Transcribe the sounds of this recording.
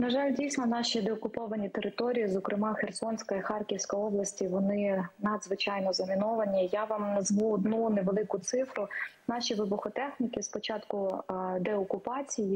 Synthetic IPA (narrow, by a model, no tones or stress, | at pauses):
nɐʒɑlʲdʲijsʲnɔnɑʃʲid̪eɔkʊpɔʋɐnʲit̪eɾɪt̪ɔɾʲijizɔkɾʔɪmɑxersɔnsʲkɐixɑrkʲiwsʲkɔjɔblˠɐsʲtʲiʋɔnɪnɐd̪zʋɪt͡ʃɑjnɔzɐmʲɪnɔʋɐnʲijaʋɑmnɐzmuɔd̪nuneʋelˠɪkʊt̪sɪfɾʊnɑʃʲiʋɪbʊxɔt̪ɛxnʲikʲɪspɔt͡ʃɑt̪kʊd̪ɛɔkʊpɑt͡sʲiji